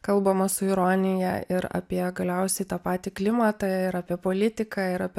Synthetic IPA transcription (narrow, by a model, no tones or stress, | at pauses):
kɐlˠbɐmɐsʊɪɾonʲɪjɛ̰ɪɾɐ̰ːpʲiɛɡɐlʲɛʊsʲɛɪt̪ɑːpɑːt̪ʲɪklʲɪmɐt̪ɐɪɾɑːpʲiɛpoːlʲɪt̪ʲɪkɑɪɾɐpʲiɛ